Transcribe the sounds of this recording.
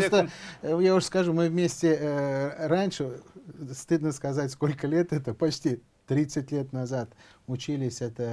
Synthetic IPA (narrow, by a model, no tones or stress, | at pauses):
st̪ojaʊʂskɐʐumɨvmʲesʲtʲɪ | ɾanʲʂɨst̪ɨd̪nəskɐzatʲsko̞lʲkəlʲe̞t̪ɛt̪əpɐt͡ɕtʲi | t̪ɾʲit̪sɨtʲlʲe̞t̪nɐzat̪ʊt͡ɕilʲɪsʲɛt̪ə